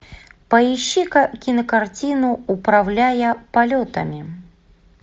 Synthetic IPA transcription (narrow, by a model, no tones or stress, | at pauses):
pɐjiɕːikɐkʲinəkart͡sʲinʊupɾawlʲajɐpalʲot̪ɐ̰mʲi